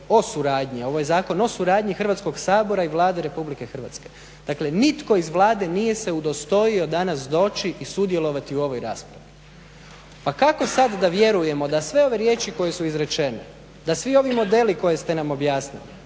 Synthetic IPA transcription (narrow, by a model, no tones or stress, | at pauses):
o̞suɾaːd̪ɲio̞ʋojezaːko̞no̞suɾaːd̪ɲixr̩ʋat̪sko̞ɡsaːbo̞ɾaiʋlˠaːd̪eɾe̞publike̞xr̩ʋa̰t̪ske̞ | d̪̥akle̞nit̪ko̞izʋlˠaːd̪e̞nije̞se̞ud̪o̞st̪o̞io̞d̪anasd̪o̞ːt͡ʃiʔisud̪je̞lo̞ʋat̪iuo̞ʋo̞jɾa̰ːspɾaʋi | pakako̞sad̪d̪aʋje̞ɾuje̞mo̞d̪asʋe̞o̞ʋe̞ɾje̞ːt͡ʃiko̞je̞suizɾe̞t͡ʃe̞nḛ | d̪asʋio̞ʋimo̞d̪e̞liko̞je̞st̪e̞namo̞bjaːsnilḭ